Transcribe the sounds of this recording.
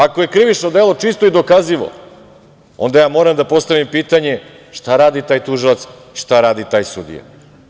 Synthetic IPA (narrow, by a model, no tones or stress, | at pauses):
ako̞je̞kɾiʋit͡ʃno̞d̪eːlˠo̞t͡ʂist̪oid̪o̞kaziʋo̰ | o̞̰nd̪ajaːmo̞ɾamd̪apo̞st̪aʋimpiːt̪aɲe̞ | ʃt̪aɾaːd̪it̪aːjt̪uʒilˠat̪s | iʃt̪aɾaːd̪it̪aːjsṵd̪ḭja̰